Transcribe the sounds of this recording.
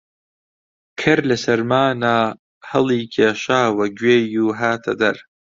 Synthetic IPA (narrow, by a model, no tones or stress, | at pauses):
kʰɐɾlɐsɐɾmaːnaː | hɨlˠiːkʰeːʃaːwɐɡweːjuːɦaːt̪ʰɐd̪ɐɾ